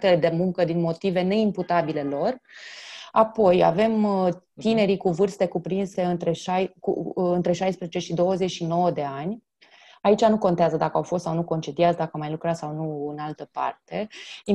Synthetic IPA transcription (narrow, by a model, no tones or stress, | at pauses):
t̪eled̪e̞muŋkəd̪inmo̞t̪ive̞ne̞imput̪abile̞lo̞r | apo̞ja̰ve̞mt̪ine̞ɾikuvɨrst̪e̞kupɾinse̞ɨnt̪ɾe̞ʃajkṵɨnt̪ɾe̞ʃajspɾezet͡ʃe̞ʃid̪o̞wəzet͡ʃʃino̞wəd̪e̞anʲ | ait͡ʃanuko̞nt̪eazəd̪akəawfo̞st̪sawnuko̞nt͡ʃed̪iat̪sd̪akəamajlukɾat̪ssawnuɨnalt̪əpa̰rt̪e̞i